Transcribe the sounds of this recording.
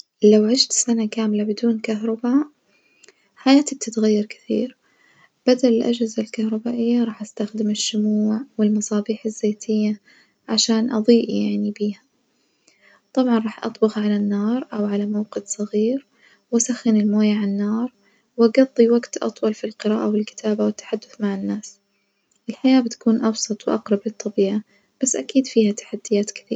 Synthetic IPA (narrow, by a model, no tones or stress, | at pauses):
lawʕɪʃt̪sanakaːmlabɪd̪uːnkaɦɾˤɑbaːʔ | ħajaːt̪ib̚t̪ɪt̪ɣajːɑɾˤkɪ̥θḭːɾ | b̥ad̪alɪlʔa̰d͡ʒhɪzalkahɾˤɑbaːʔɪjːaɾˤɑːħʔast̪axd̪ɪmɪʃːʊmuːʕwɪlmɑsˤɑːbiːħazːeːt̪ʰɪjːa | ʕaʃaːnʔɑ̰d̪ˤiːʔjaʕnibiːha | t̪ˤɑbʕɑnˤɑːħʔɑ̰t̪ˤbʊɣʕalanːɑːɾˤʔawʕalamawqɪt̪sˤɑɣiːɾ | wʔasaxːɪnɪlmoːjaʕanːɑːɾˤ | wʔaɡɑd̪ˤːiwaɡt̪ʔɑ̰t̪ˤwɑlfilqɨɾaːʔawɪlkɪ̥t̪ʰaːbawɪt̪ːḁħad̪ːʊθmaʕɪnːaːs | ʔɪlħajaːbɪt̪ḁkuːnʔɑbsˤɑt̪ˤwɪʔɑqɾˤɑblɨt̪ˤːɑbiːʕa | b̥asːʔakiːd̪fiːhat̪ḁħad̪ːɪjaːt̪kɪ̥θḭː